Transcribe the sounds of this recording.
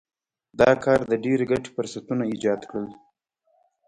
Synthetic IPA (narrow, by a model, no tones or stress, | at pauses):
d̪ɑkɑɾd̪əɖeɾɡaʈfʊɾsat̪unaid͡ʒɑd̪kɽəl